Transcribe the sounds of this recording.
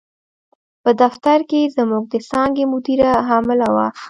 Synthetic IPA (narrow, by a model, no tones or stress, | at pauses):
pəd̪aft̪aɾkezmuɡ̚d̪əsɑŋɡemʊd̪iɾaɦɑmɪlawa̰